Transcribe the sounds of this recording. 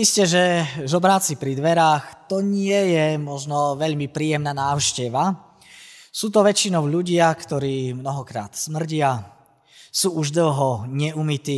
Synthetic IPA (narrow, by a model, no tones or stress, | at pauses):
iscɛʒɛzɔbɾaːt͡sipɾid̪ʋɛɾaːxt̪ɔɲɪɛjɛmɔʒnɔʋɛʎmipɾiːjɛmnanaːʊʃcɛʋa | suːt̪ɔʋɛt͡ʃinɔʊʎuɟɪakt̪ɔɾiːmnɔɦɔkɾa̰ːt̪smr̩ɟɪa | suːuʒd̪l̩ɦɔɲɛumit̪iː